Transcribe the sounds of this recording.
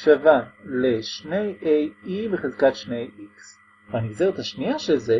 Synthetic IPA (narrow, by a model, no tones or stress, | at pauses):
ʃavale̞ʃne̞jʔejibeχezkatʃnejiks | vaniɡzeʁet̪haʃniaʃelze